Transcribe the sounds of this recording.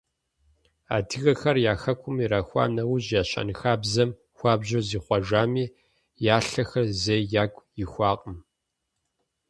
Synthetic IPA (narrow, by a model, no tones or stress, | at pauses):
a̰ːdʰɨɣɐxɐrjaːxɐkʷʰʼʊmiɾaːxʷa̰ːnɐwʊʑjaːɕɐ̰nɨxaːbzɐm | xʷaːbʑoziːχʷɐʒaːmiː | jaːɬɐxɐrzejjaːkʷʼjɪxʷɑːqʼəm